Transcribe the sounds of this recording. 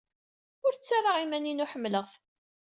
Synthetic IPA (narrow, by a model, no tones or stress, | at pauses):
ʊɾt͡sːarˤaʁimæninʊħəmːləʁθ